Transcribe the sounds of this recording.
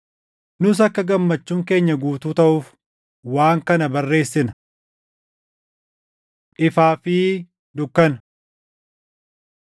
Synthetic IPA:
nʊs̬ɐkːɐɡɐmːɐt͡ʃːuːŋke̞ːɲːɐɡuːt̪uːt̪ɐʔuːf | waːŋkɐnɐbɐrːe̞ːsːɪnɐ | ʔɪfaːfɪ | d̪ʊkːɐn

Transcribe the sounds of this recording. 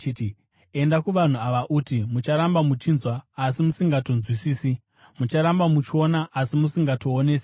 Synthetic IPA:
ti | e̞ndakuʋan̤uaʋaʔutimut͡ʃaɾambamut͡ʃinzwaːsimusiŋɡatonzwisiːsi | mut͡ʃaɾambamut͡ʃo̞naʔasimusiŋɡato̞ːneːsḁ

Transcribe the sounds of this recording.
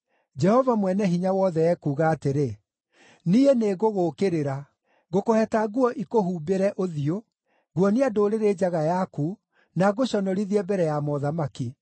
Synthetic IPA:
d͡ʒɛhɔvamwɛnɛɦiɲawɔðɛɛkuːɣaːteɾe | nieneːɣoɣokeɾeɾa | ɣokohɛtaɣwɔʔikoɦuːbeɾɛʔoðio | ɡuɔneadoːɾeɾeːd͡ʑaɣajaku | naɣoɕɔnɔɾiðiɛbɛɾɛjamɔðamaki

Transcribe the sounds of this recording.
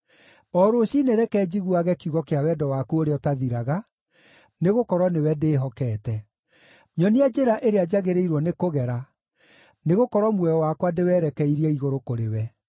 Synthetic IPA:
ɔɾoɕineɾɛkɛd͡ʑiɣuaɣɛkjuɣɔkeawɛdɔwakuoɾeɔtaðiɾaɣa | neɣokɔɾɔnewɛdeːɦɔkɛːtɛ | ɲɔniad͡ʒeɾaʔeɾead͡ʑaɣeɾeiɾwɔnekoɣɛɾa | neɣokɔɾɔmwɛɔwakwadewɛːɾɛkɛiɾiɛiɣoɾokoɾewɛ

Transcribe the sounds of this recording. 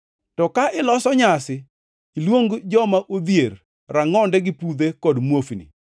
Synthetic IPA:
tɔkaʔɪlɔsɔɲasɪ | ilwoŋɡd͡ʒɔmaʔod̪jer | ɾaŋɔndɛɡɪpud̪ekɔdmwofinḭ

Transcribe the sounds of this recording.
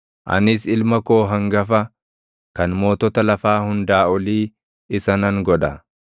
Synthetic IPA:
ʔɐ̰nɪsɪlmɐkoːɦɐŋɡɐfɐ | kɐnmo̞ːt̪ɔt̪ɐlɐfaːhʊnd̪aːɔliː | ɪsɐnɐŋɡɔᶑɐ

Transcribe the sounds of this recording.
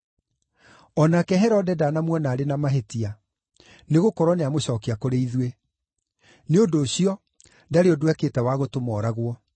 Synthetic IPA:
ɔnakɛɦɛɾɔdɛdaːnamwɔnaːɾenamaɦetia | neɣokɔɾwɔneamoɕɔːkiakoɾeiðwe | neondoːɕiɔ | daɾeɔdowɛkeːtɛwaɣotomɔːɾaɣwɔ

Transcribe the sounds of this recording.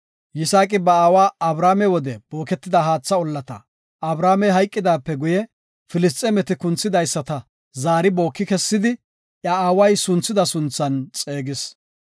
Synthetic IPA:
jɪsaːkʼɪbɐaːwaːɐbɾaːmɛwɔd̪ɛb̥o̞ːkɛt̪ːɪd̪ɐɦaːt͡sːɐɔlːɐt̪ɐ̰ | ʔɐbɾaːmɛɦɐjkʼːɪd̪aːpːɛɡʊjɛ | fɪlɪs̬t̪ʼːɛmɛt̪ɪkʊnt͡sːɪd̪ɐjsːɐt̪ɐ | zaːɾɪbo̞ːkːɪkɛsːɪd̪ɪ | ʔjɐaːwɐjsʊnt͡sːɪd̪ɐsʊnt͡sːɐnt͡sʼeːɡɪs

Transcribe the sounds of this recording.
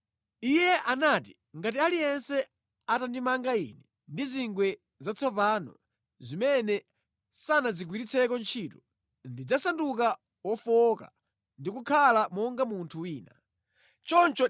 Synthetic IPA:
ijɛʔanaːti | ŋɡatialijɛnsɛ | atandimaŋɡaḭnɛ | ndiziŋɡwɛ | zat͡sʰɔpanɔ̰ | zimɛnɛ | sanazik̬wiɾit͡sʰɛkɔnt͡ʃʰiːtɔ | ndid͡zasanduk̬a | wɔfɔka̰ | ndikukʰalamɔŋɡamuntʰuwiːna | t͡ʃɔnt͡ʃɔ

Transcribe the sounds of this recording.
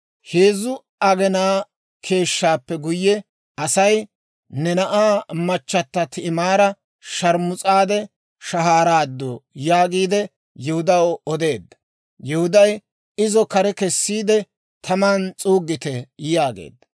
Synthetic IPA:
heːzʊ | ɐɡɛnaː | kʰe̞ːʃːaːpːɛɡʊjːɛ | ɐsɐj | nɛnɐʔaːmɐt͡ʃːɐt̪ːɐt̪ɪɪmaːɾɐ | ʃɐɾmʊt͡sʼaːd̪ɛ | ʃɐɦaːɾaːd̪ːɔjaːɡiːd̪ɛ | jɛhʊd̪ɐwɔd̪e̞ːd̪ːɐ̥ | jɛhʊd̪ɐj | ɪzɔkɐɾɛkɛsːiːd̪ɛ | t̪ʰɐmaːnt͡sʼuːɡːɪt̪ɛjaːɡḛːd̪ːɐ

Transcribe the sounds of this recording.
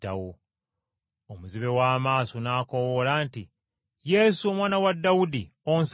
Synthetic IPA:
ta̰wo | omuziβe̞waːmaːsonaːko̞wolaːnti | je̞suomwaːnawadːawudi | ons

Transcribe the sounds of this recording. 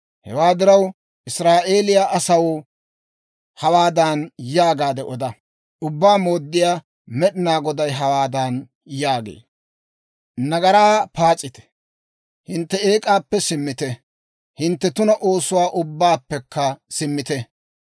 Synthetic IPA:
hɛ̰waːd̪ɪɾɐw | ʔɪsɾaːʔe̞ːlɪjaːʔɐsɐwɔ | hɐwaːd̪aːnjaːɡaːd̪ɛʔɔd̪ɐ | ʊbːaːmo̞ːd̪ːɪjaː | mɛɗɪnaːɡɔd̪ɐjɦɐwaːd̪aːn | jaːɡḛː | nɐɡɐɾaːpaːt͡sʼːɪt̪ɛ̥ | hɪnt̪ːɛeːkʼaːpːɛsɪmːɪt̪ɛ | hɪnt̪ːɛt̪ʊnɐʔo̞ːsʊwaːʔʊbːaːpːɛkʰːɐsɪmːɪt̪ɛ

